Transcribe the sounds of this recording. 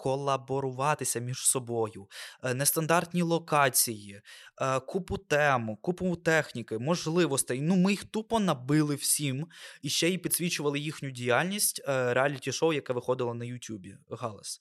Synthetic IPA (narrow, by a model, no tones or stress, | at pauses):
kɔlˠɐbɔɾʊʋɑt̪ɪsʲɐmʲiʒ̥sɔbɔjʊnɛst̪ɐnd̪ɑrt̪ʲnʲilˠɔkɑt͡sʲiji | kupʊt̪ɛmʊkupʊt̪ɛxnʲikɪmɔʒlˠɪʋɔst̪ɪnumɪjixt̪upɔnɐbɪlˠɪw̥sʲimiʃt͡ʃɛjipʲid̪̥ʲsʲʋʲit͡ʃʊʋɐlˠɪjixnʲʊdʲijalʲnʲisʲtʲɾeɑlʲːitʲiʃɔwjɐkɛʋɪxɔd̪ɪlˠɐnɐjʊtʲubʲḭɦɑlˠɐ̰s